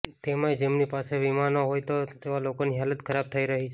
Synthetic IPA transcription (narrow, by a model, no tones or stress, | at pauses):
t̪emãed͡ʒemnipaseʋimanoɦojt̪ot̪eʋalokoniɦalət̪kʰəɾab̚t̪ʰəiɾəɦit͡ʃʰe